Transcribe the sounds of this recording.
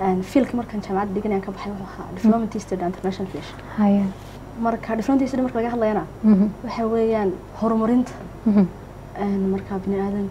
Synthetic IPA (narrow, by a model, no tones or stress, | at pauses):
ɛnfiːlkʰimɐrkʰaːnt͡ʃaːmʕɑd̪ɖɪɣɐnɐjaːŋkʰɐbɐħɑjwʊħʊːɐha̰ːɖɪflɔmɐnt̪ʰist̪ʰɛɖɪnt̪ʰɛrnaʃnɐlfɛʃ | hɐjɛ | mɐrkʰɐɖɪflɔmɐnt̪ist̪ɪdmɐrkʰɐlɐɣɐɦɐd̪lɐjɐnɐwɑħɑwɛːjaːn | hɔrmɐɾɪnt̪ʰɐ̥ | ʔɛːnmɐrkʰaːbɪnɪaːðɐm